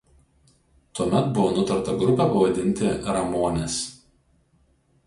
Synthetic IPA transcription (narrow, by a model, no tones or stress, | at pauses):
t̪uɔmʲɛt̪bʊʋoːnʊt̪ɐɾt̪ɐɡɾʊpʲɛːˑpɐʋɐd̪ʲɪnʲt̪ʲɪɾɐmoːnʲɛs